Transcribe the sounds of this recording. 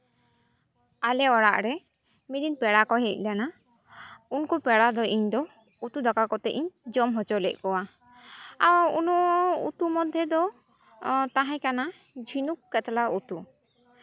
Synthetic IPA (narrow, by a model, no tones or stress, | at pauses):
alɛɔɽaʔɾɛ | mid̪inpɛɽakɔɦɛc̚ˀlana | unkɔpɛɽad̪ɔʔiɲd̪ɔ | ut̪ud̪akakɔt̪ɛʔiɲd͡ʒɔmɦɔt͡ʃɔlɛc̪̚ˀkɔwa | aunɔʔṵt̪umɔd̪ʱːjɔd̪ɔ | t̪aɦãkana | d͡ʒʱinukːɛt̪laut̪u